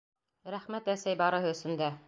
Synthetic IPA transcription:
ɾæχmæt̪æsæjbɑɾɤ̆ɦɤ̆ɵ̆sɵ̆nd̪æ

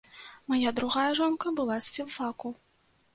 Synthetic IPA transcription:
majad̪ɾuɣajɐʐɔnkɐbɨlˠasʲfʲilˠfaku

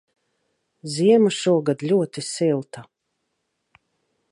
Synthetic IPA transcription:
ziɛmuʃuɔɡad̪lʲuɔt̪isilˠt̪a

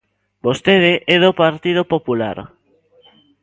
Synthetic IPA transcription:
bost̪eðɪʔɛðopaɾt̪ið̞opopula̰ɾ

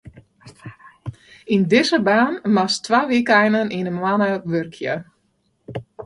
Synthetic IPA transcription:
indɪsəbaːnmastʋaʋikɛjnəninəmwanəʋørkʰjə

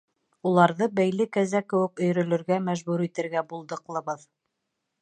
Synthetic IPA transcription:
ulˠɑɾðɤbæjlɘkæzækɘ̆wɘ̆kɵ̆jɾɵ̆lɵ̆ɾɡæmæʒbuɾit̪ɘ̆ɾɡæbulˠd̪ɤ̆qlˠɤ̆βɤð

